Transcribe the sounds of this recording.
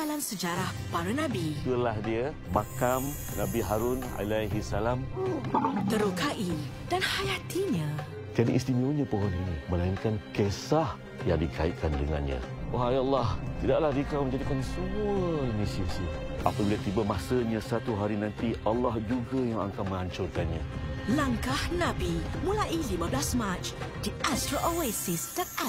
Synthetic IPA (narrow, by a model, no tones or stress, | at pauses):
alamsəd͡ʒaɾahpaɾənãbit̪uəlahdiə | makam | nabiɦaɾʊna̰lajɦisalam | t̪əɾukaʔi | d̥anhajat̪iɲã | kanḭʔist̪imiuɲapəɦɔniniməlainkankesah | jaŋdikʰa̰iʔkʰandəŋa̰nɲã̰aɦajalːɑht̪idaʔlahdikawməɲd͡ʒadikansəmuaənĩsiasi | ʔa̰pabilat̪ibamasəɲãsat̪uɦaɾinãnt̪iʔalːahd͡ʒuɡajaŋa̰ŋkaməŋaɲt͡ʃʊrkanɲalaŋkahnabimũlaʔilimãblasmat͡ʃdiʔastɾaʔowesist̪ət̪a